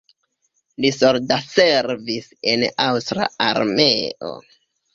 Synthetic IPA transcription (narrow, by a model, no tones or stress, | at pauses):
lisoɾdase̞ɾvise̞nawstɾa̰aɾme̞o̰